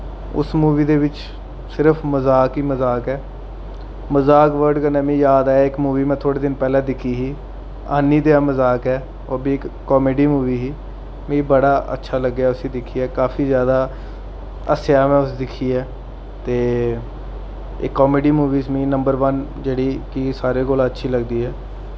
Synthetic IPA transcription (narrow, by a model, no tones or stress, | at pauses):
ʊ̰smuːʋiːd̪eːʋɪt͡ʃ | sɪɾəpʰməzaːkiːməzaːkɛː | məzaːkʋəɾɖkənɛːmĩːjaːd̪aːɪkmuːʋiːmɛ̃ːt̪ʰoːɽeːd̪ɪnpɛːlãːd̪ɪkʰːiːɦiː | aːniːd̪eːãːməzaːkɛː | oːbiːɪkːɔːmeːɖiːmuːʋiːɦiː | mĩːbəɽaːʔə̰tːʃʰaːləɡːjaːʊsĩːd̪ɪkʰːiːɛːkaːfʰiːzjaːd̪aː | əsjaːmɛ̃ːʊsd̪ɪkʰːiːɛː | t̪eː | ɪkːɔːmeːɖiːmuːʋiːsmĩːnəmbəɾʋənd͡ʒeːɽiːkisaːɾeːkoːlaːətːʃʰiːləɡd̪iːɦɛː